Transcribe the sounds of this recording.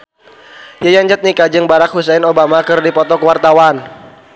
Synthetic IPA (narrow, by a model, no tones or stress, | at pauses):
jajaɲd͡ʒat̪̚nikad͡ʒɨŋbaɾak̚husɛnobamakɨrdipɔt̪ɔkəwart̪awan